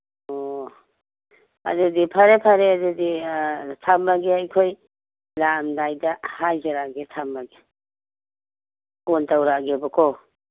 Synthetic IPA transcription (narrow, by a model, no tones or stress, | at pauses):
ɔ | ɐ̰dudipʰaɾepʰaɾeaduditʰambaɡeajkʰoj | lamdajdɐhajzaɾaɡetʰambaɡe | kontawɾaɡebakʰɔ